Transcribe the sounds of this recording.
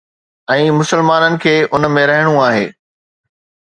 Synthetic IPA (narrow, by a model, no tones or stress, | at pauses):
ɛ̃ːmʊsəlmaːnənɪ̆kʰeːʔʊnmẽɾɐɦɪɽ̃ũaːɦḛː